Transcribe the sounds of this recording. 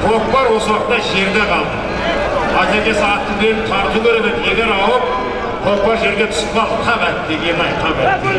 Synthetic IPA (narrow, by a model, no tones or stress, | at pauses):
pʰo̞k̚bɑɾwo̞səwɑqt̪ːɑʒe̞ɾd̪eqʰɑlˠd̪ə | ɑzeɾd̪e̞sɑɑt̪ːəb̪ʲeɾɪt̪ʰɑɾt̪əbɵɾnet̪je̞ɡʲe̞ɾɑwəp̚ | qʰo̞k̚bɑɾʒe̞ɾɡʲe̞t̪ʰʊ̥sɑt̪ʰɑpæt̪̚d̪e̞ɡʲe̞nnɑjq̪ʰɑbeɾd̪